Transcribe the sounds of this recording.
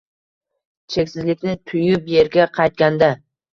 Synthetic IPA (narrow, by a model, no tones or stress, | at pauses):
t͡ʃʰe̞kʲsɪzlɪkʲnɪt̪ʰʊjʊpje̞ɾɡʲaqʰɑjt̪̚kʲand̪a